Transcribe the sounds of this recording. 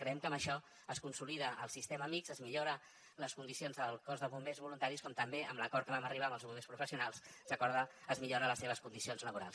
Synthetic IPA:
kɾəɛmkəməʃɔ | əskunsuliðəəlˠsist̪ɛməmikzəzmiʎoɾə | ləskund̪isionzðəlˠkɔzðəβumbezβulunt̪aɾiskɔmt̪əmbeəmləkɔɾt̪̚kəβaməriβ̞aməlˠzβumbespɾufəsiunalˠsrəkɔɾðəːzmiʎoɾələseβ̞əskund̪isionzləβuɾa̰lˠs

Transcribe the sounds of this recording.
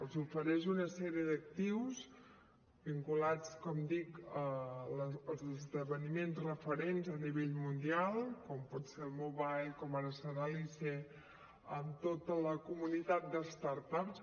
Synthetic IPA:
əlˠzufəɾɛʃ̬unəsɛɾiəðək̚t̪iwz | biŋkulat͡skɔmd̪ikələəlˠzəzðəβənimenzrəfəɾenzəniβeʎmund̪ialˠkɔmpɔt̪selˠmoβajlkɔməɾəsəɾalise | əmt̪ot̪ələkumunit̪at̪̚d̪əst̪aɾt̪aps

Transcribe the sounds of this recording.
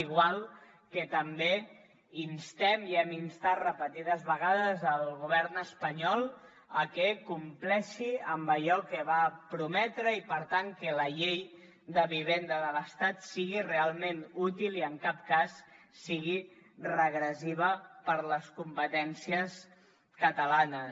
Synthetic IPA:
iɣwalˠ | kət̪əmbe | inst̪ɛmiɛminst̪at̪rəpət̪iðəzβəɣ̞aðəzəlˠɣuβ̞ɛɾnəspəɲɔlˠ | əkɛkumplɛʃiəmbəʎɔkəβapɾumɛt̪ɾəipəɾt̪aŋkələʎej | d̪əβiβ̞end̪əðələst̪at̪siɣirealˠmenut̪iliəŋkap̚kasː | iɣ̞irəɣɾəziβ̞əpəɾləskumpət̪ɛnsiəs | kət̪əlanə

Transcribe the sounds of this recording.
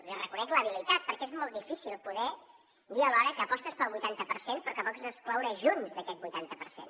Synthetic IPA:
irəkunɛkləβilit̪at̪̚pəɾkɛezmɔlˠt̪d̪ifisilˠpuðɛ | d̪iəlɔɾəkəːpɔst̪əspəlˠβujt̪ant̪əpəɾsenpɾɔkəpɔkzəsklɔwɾəʒunzðəkɛt̪̚bujt̪ant̪əpəɾsḛn

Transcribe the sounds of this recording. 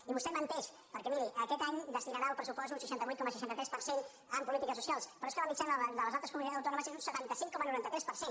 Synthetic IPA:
iβusɛmənt̪ɛʃ | pəɾkɛmiɾiʔəkɛt̪aɲd̪əst̪inaɾaəlˠpɾəsupɔsunsəʃant̪əβujt̪̚kɔməsəʃant̪ət̪ɾɛspəɾsen | əmpulit̪ikəsusialˠspəɾɔeskəβamit͡ʃanəðələzalˠt̪ɾəskumũniaəwt̪ɔnuməsezunsət̪ant̪əsiŋkɔmənuɾant̪ət̪ɾɛspəɾsen

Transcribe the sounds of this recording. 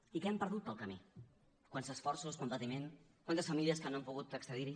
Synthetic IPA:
ikɛɛmpəɾðut̪̚bəlˠkəmi | kwanzəsfɔɾsuskumpət̪imenkwant̪əsfəmiliəskənoampuɣut̪əkst̪əðiɾi

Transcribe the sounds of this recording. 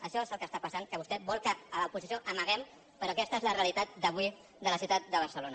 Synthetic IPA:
əʃɔezəlˠkəst̪apəsankəβust̪ɛbɔlˠkəːləupuzisioʔəməɣ̞ɛm | pəɾɔkɛst̪əezləreəlit̪at̪̚d̪əβwi | d̪ələsjiwt̪at̪̚d̪əβəɾsəlonə

